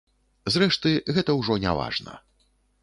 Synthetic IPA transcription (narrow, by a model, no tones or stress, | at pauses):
zrɛʂt̪ɨɣɛt̪ɐwʐɔnʲa̰va̰ʐnɐ̰